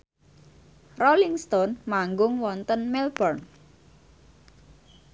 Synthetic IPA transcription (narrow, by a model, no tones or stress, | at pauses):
roliŋst̪ɔnmaŋɡʊŋwɔnt̪ənmɛlbərn